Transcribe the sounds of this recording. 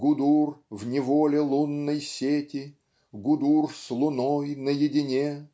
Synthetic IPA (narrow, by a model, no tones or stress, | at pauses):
ɡʊd̪urvnʲɪvolʲɪlˠunːəjsʲetʲɪ | ɡʊd̪urslˠʊnoɔjnəjɪdʲɪnʲe